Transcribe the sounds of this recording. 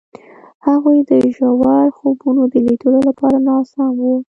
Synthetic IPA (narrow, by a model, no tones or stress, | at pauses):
haɣujd̪əʒawɑɾxobunod̪əlid̪əlolapɑɾanɑsɑmwu